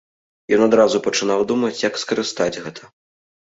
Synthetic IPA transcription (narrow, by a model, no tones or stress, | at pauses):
jɔnad̪ɾazupɐt͡ʂɨnawd̪umɐt͡sʲjɐkskɐɾɨst̪ad͡zʲɣɛt̪ʰɐ